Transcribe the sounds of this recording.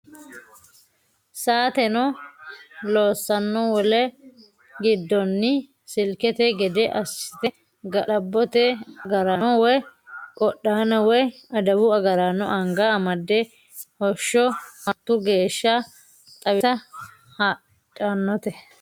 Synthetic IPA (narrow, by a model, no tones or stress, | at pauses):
saːt̪ɛnɔ | loːsːɐnːɔwɔlɛ | ɡɪd̪ːɔnːɪ | sɪlkɛt̪ɛɡɛd̪ɛʔɐsɪ̥t̪ɛ | ɡɐlɐbːɔt̪ɛɐɡɐɾawɔjkʼɔɗːaːnɐwɔjɐd̪ɐbʊɐɡɐɾanɔʔɐŋɡaːmɐd̪ːɛ | hɔʃːɔmɐt̪ːʊɡe̞ːʃːɐ | t̪ʼɐwɪɐ | ha | tʼːanːɔt̪ɛ